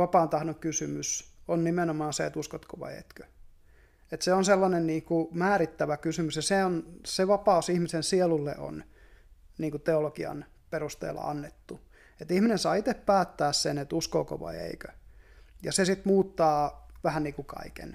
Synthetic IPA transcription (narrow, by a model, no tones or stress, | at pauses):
ɑpɑːnt̪ɑhnoŋkysymysonnimenomɑːnseḛt̪uskot̪koʋɑ̰iḛt̪kø̥ | et̪seonselːɑnenniːkumæːɾit̪ːæʋækysymysjɑseonseʋɑpɑusihmisensielulːḛʔo̰n | niːŋkut̪eolokiɑ̰n | perust̪ḛːlːɑ̰ɑ̰nːet̪ːu | et̪ihminensɑːit̪eppæːt̪ːæːssenet̪uskoːko̰ʋɑ̰iḛikø̥jɑsesit̪muːt̪ːɑːʋæhænniːkukɑ̰ikḛn